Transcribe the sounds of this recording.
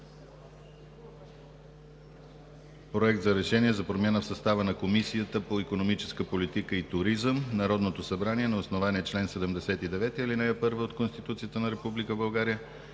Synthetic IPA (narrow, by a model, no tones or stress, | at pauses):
pɾoɛk̚t̪zɐɾɛʃɛniɛzɐpɾomʲanəfsɐst̪avənɐkomisijət̪əpoikonomit͡ʃɛ̥skəpolit̪ikəit̪ʊɾizəmnɐɾɔd̪not̪osɐbɾaniɛnɐosnovaniɛt͡ʃlɛnsɛd̪ɛmd̪ɛsɛt̪id̪ɛvɛt̪iilinɛɛpɤɾvəot̪konst̪it̪ut̪sijət̪ənɐɾɛpublikəbɐlˠɡaɾijə